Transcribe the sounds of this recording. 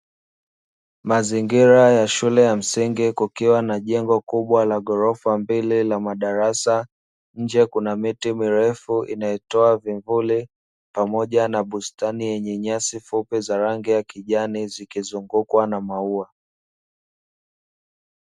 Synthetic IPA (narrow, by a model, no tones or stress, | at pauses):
maziŋɡiɾajaʃulɛjam̩siŋɡikukiwanaʄɛŋɡɔkuɓwalaɠɔɾɔfambililamaɗaɾasa | ɲ̩d͡ʒɛkunamitimiɾɛfuʔḭnajɛtɔaviɱvuli | pamɔʄanaɓustanijɛɲɛɲasifupizaɾaŋɡijakiʄanizikizuŋɡukwanamaua